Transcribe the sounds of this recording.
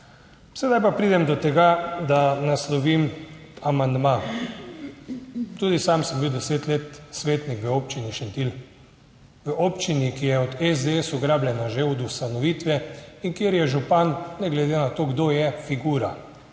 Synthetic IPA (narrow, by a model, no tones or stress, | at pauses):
sɛd̪ajpapɾid̪ɛmd̪ɔt̪ɛɡad̪anaslɔʋimamand̪ma | t̪uːd̪isamsəmbiwd̪ɛseːt̪leːt̪sʋeːt̪nikʋəoːpt͡ʃiniʃɛnt̪il | ʋəʔoːpt͡ʃinikijɛɔd̪ɛzd̪eesɔɡɾaːbljɛnaʒeɔd̪ust̪anɔʋiːt̪ʋɛiŋkjeːɾjɛʒupanːɛɡlɛd̪enat̪oːɡd̪ojɛfiɡuːɾa